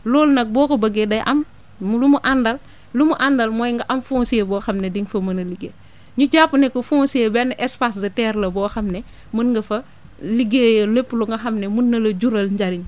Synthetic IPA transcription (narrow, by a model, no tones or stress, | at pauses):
lolnɐk̚bɔːkobɐɡedɐjʔɐm | lumuʔandɐl | lumuʔandɐlmɔjŋɡɐʔɐmfunsiebɔːxɐmnɛdiŋfɐmɐnɐliɡeː | ɲuɟaːpunɛkofusiebɛnʔɛspasdɐtɛːɾlɐbɔːxɐmnɛ | munŋɡɐfɐ | liɡejɐlepːluŋɡɐxɐmnɛmunːɐlɐɟuɾɐlɲɟɐɾiɲ